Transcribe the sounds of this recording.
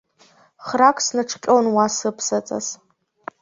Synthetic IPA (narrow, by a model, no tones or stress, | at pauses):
χrakʷʼsnɨʈ͡ʂʰqʲʼonwasɨpʰsat͡sʼa̰z